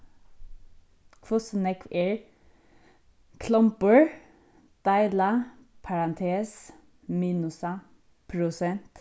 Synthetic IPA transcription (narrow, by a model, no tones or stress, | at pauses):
kʰfʊsnɛkʰʋeɹ | kʰlɔmpəɹ | d̪̥æɪlɑpʰɑɹɑnt̪ʰeːs | miːnʉsɑ | pʰɾʊsɛnt̪